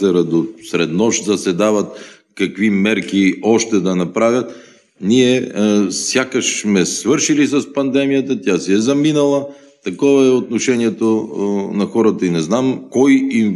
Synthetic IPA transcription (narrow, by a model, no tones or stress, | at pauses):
ɛɾɐd̪osɾɛd̪nɔʃd̪ɐsɛd̪avɐt̪ | kɐkvimɛɾk̟iɔʃt̪ɛd̪ɐnɐpɾavʲjɐt̪ | niɛ | sjakəʃmɛsvɤɾʃilisɐspɐnd̪ɛmijət̪ət̪ʲjasɛɛzɐminɐlˠə | t̪ɐkɔvɐɛot̪noʃɛniɛt̪onɐxɔɾɐt̪ɐinɛznamkɔjim